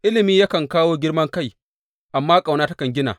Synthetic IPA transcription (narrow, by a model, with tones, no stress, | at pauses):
ʔɪ˦lɪ˨miː˦ja˦kɐ˨ŋkaː˦woː˦ɡʲɪ˦rmɐ˦ŋka˦j | ʔa˨mːaː˦kʼa˨wnaː˦tɐ˦kɐ˨ŋɡʲɪ˦na̰ː˨